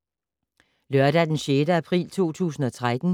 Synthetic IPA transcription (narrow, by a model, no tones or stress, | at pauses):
lɶɐɾ̥æd̥enɕeːɾəæpʰʁḭːlt͡sʰo̝̰ːt͡sʰṵːsn̩ɒ̽t͡sʰʁad̥n̩